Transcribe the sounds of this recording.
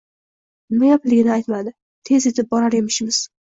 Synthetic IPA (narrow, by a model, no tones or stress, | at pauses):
nɪmajaplɪɡʲɪnɪajt̪mad̪ɪ | t̪ʰe̞ze̞t̪ʰɪp̚bɒɾaɾe̞mɪʃmɪz̥